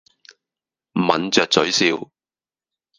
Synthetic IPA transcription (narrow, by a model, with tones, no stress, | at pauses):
mɐ̰˨nt͡sœː˧k̚t͡sɵ˨˥ɥsiː˧w